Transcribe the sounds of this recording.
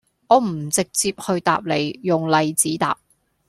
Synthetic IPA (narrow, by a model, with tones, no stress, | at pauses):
ʔɔː˨˧m̩˨˩t͡sɪ˨k̚t͡siː˧p̚hɵ˧ɥt̪a̰ː˨p̚le˨˩jjʊ˨ŋlɐ˨jt͡siː˨˥t̪a̰ː˨p̚